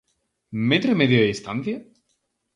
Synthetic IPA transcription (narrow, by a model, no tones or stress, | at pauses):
met̪ɾemeðjoðist̪an̟θja